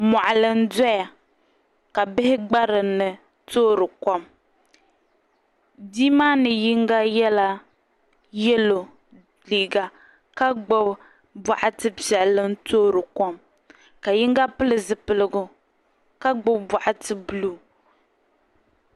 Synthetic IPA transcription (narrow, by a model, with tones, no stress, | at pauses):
ma˨ʔa˨lɨ˦n˦dɔ˦ja˨ | ka˨bɪ˦hɪ˦ɡ͡ba˦ɾɨ˨nɨ˨ | toː˦ɾɨ˨kɔ˦m | di˦ma˦nɨ˨ji˦ŋɡa˦jɛ˦la˦ | jɛ˦lo˨ | liː˨ɡa˦ | ka˦ɡ͡bɨ˦b | ba˨ʔa˦tɨ˦pɛ˨lːɨ˦ntoː˦ɾɨ˨kɔ˦m | ka˨ji˦ŋɡa˦pɨ˦lɨ˨zɨ˨pɨ˦lɨ˦ɡʊ˦ | ka˦ɡ͡bɨ˦bba˨ʔa˦tɨ˦blu˦˨